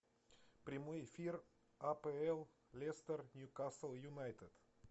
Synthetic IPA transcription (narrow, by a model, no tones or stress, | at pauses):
pɾʲɪmojɪfʲir | apɛɛlˠ | lʲɛst̪ərnʲjukasəlˠjʊnajt̪əd̪̥